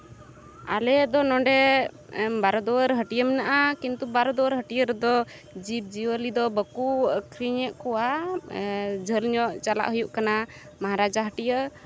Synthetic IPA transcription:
a̰lɛd̪ɔnɔɳɖɛ | baɾɔd̪ɔwəɾɦəʈijəmɛnaʔakint̪ubaɾɔd̪ɔwəɾɦəʈijəɾd̪ɔ | d͡ʒib̚d͡ʒiwəlid̪ɔbəkukʰɾiɲɛʔ̪̚kɔwa | d͡ʒʱəlɲɔʔt͡ʃala̰ʔɦujuʔkana | maɦaɾad͡ʒaɦəʈijə

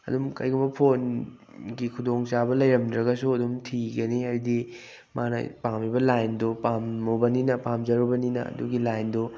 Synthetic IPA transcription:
ɐ̰dumkɐ̰jɡumbɐpʰon | ɡikʰudoŋt͡ʃabɐlɐjɾɐmdɾɐɡɐsuɐdumtʰiɡɐniajdi | manɐ̰pamibɐlajndopamːobɐninɐpamd͡ʒɐɾubɐninɐ̰ɐ̰duɡilajndo

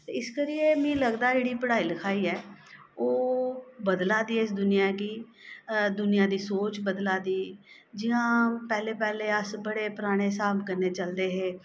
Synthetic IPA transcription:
t̪eːɪskəɾɪjeːmĩːləɡd̪aːd͡ʒeːɽiːpəɽaːiːləkʰaːiːɛː | oːbəd̪laːd̪iːɛsd̪ʊnɪjãːkɪ | d̪ʊnɪjãːd̪iːsoːt͡ʃbəd̪laːd̪iː | d͡ʒɪãːpɛːleːpɛːleːəsbəɽeːpəɾaːɽ̃eːsaːbkəɾneːt͡ʃəld̪eːɦeː

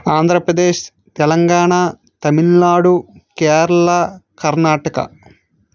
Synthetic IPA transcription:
aːnd̪ʱɾɐpɾɐd̪eːʃ | t̪ɛlɐŋɡaːɳa | t̪ɐmiɭnaːɽukeːɾɐɭɐkɐɾnaːʈɐkɐ̰

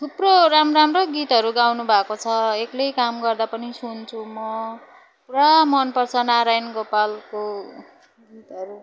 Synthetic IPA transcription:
t̪ʰuproɾamramroɡit̪ɦʌɾuɡawnubʱakot͡sʰʌeklejkamɡʌrd̪apʌnisunt͡sʰumʌ | kuɾamʌnpʌrt͡sʰʌnaɾajnɡopalko | ɡit̪ɦʌɾu

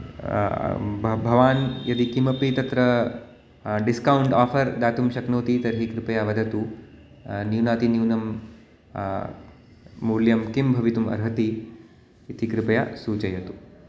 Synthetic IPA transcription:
bʱɐʋaːnjɐd̪ikimɐpit̪ɐt̪ɾɐ | ɖiskɐwuɳɖaːfʰɐɾd̪aːt̪umʃɐknoːt̪it̪ɐɾɦikɾɪpɐjaʋɐd̪ʱɐt̪u | njuːnaːt̪injuːnɐm | uːɾljɐmkimbʱɐʋit̪umɐ̰ɾɦɐt̪i | it̪ikɾɪpɐja̰suːt͡ʃɐjɐt̪u

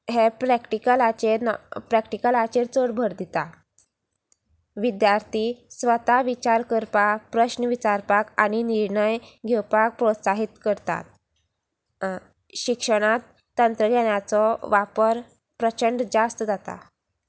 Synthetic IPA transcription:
ɦepɾɛkʈikəlat͡ɕepɾɛkʈikəlat͡ɕeɾt͡soɽbʱəɾd̪it̪a | ʋid̪jaɾt̪ʰisʋət̪aʋit͡ɕaɾkəɾpapɾəɕnəʋit͡ɕaɾpakaɽ̃iniɾɳəjɡʱewpak̚pɾot̪saɦit̪kəɾt̪a̰t̪̚ | ɕikʂəɽ̃at̪ːənt̪ɾəɡʱɛɽjat͡sɔʋapəɾ | pɾət͡ɕəɳɖd͡zast̪əd͡zat̪a̰

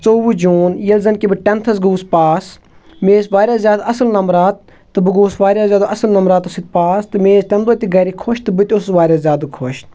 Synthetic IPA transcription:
t͡soːʋud͡ʒuːnjɐlzɐnkibɨʈʲɛnt̪ʰɐsɡuːspaːs | meːsʋaːɾʲjaːzjaːd̪ɐsɨlnɐmɾaːt̪̚ː | ɨbɨɡoːsʋaːɾʲjaːzjaːd̪uʔɐsɨlnɐmɾaːt̪sit̪̚paːst̪ɨmeːzʈʲɐnd̪oːt̪ʲiɡɐɾikʰoʃt̪ɨbɨt̪ʲossʋaːɾʲjaːzjaːd̪ukʰoʃ

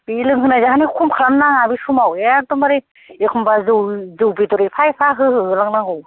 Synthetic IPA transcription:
bilɯŋɦɯnazaɦanikʰumkʰaɾamnaŋabisumawjak̚tɔmaɾe | ekʰɔmbazɯwzɯwbidɔɾepʰajpʰaɦɯɦɯɦɯlaŋnaŋɯw

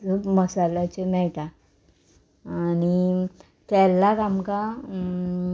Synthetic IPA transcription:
əməsalat͡ɕemɛjt̪a | aːni | kɛlːakamka

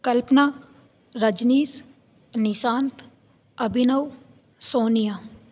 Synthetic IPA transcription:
kɐlpnaː | ɾəd͡ʒniːs | nɪsaːnt̪ | ɐbʱɪnəw | soːnijaː

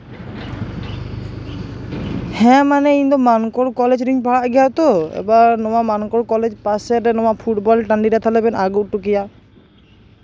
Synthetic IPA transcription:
hɛ̃manɛiɲd̪ɔmankɔɽkɔlɛd͡ʒɾiɲpaɭaʔɡɛjat̪ɔɛ̰banɔwamankɔɽkɔlɛd͡ʒpasɛɾɛnɔwaʔpʰuʈbɔlʈaɳɖiɾat̪ʰalɛbɛnaɡut̪̚ˀʈukija

